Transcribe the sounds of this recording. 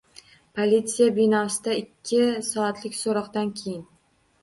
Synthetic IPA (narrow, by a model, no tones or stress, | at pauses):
pʰolʲit̪sijabinɒsɪd̪aɪkʲʰːɪsɒat̪lɪkʲsoɾɒqd̪ankʲʰejɪn